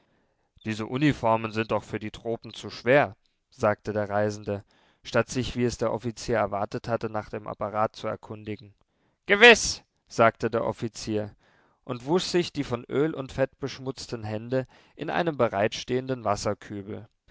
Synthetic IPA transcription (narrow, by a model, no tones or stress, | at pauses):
d̥iːzəʔunifɔɐmənzɪntaʊxfyːɐdiːtʁ̥oːpm̩t͡suʃv̥eːɐ | z̥aːk̚tədeːɐʁaɪzn̩də | ʃtatz̥ɪçv̥iːɛsd̥eːɐʔɔfit͡siːɐɛɐvaɐtəthatənaːχd̥eːmʔa̰paʁaːt̚t͡suɛ̰ɐkʰʊndɪɡŋ̩ | ɡ̥əvɪs | z̥aːk̚tədeːɐʔɔ̰fit͡siːɐ | ʔʊntv̥usz̥ɪçd̥iːfɔnʔøːlʊntfɛtb̥əʃmʊt͡stən̩ɦɛndə | ʔɪnʔa̰ɪnəmbəʁaɪtʃteːəndənvasɐkʰyːbl̩